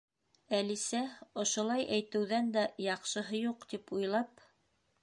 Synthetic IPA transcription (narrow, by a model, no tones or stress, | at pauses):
ælisæŏʃŏlˠɑjʔæjt̪ɘ̆wðænd̪æjɑqʃɤ̆ɦɤjuqt̪ipujlˠɑp